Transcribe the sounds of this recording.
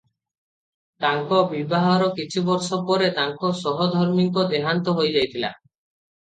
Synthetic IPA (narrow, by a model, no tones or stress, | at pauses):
t̪aŋkɔbibaɦɔɾɔkit͡ʃʰibɔɾsɔpɔɾet̪aŋkɔsɔɦɔd̪ʱɔɾmiŋkɔd̪eɦant̪ɔɦojd͡ʒajt̪ʰila̰